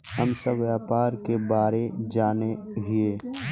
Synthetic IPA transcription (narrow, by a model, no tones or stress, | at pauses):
ɦəmsəbjaːpaːɾkebaːɾed͡ʒaːne | ɦɪeː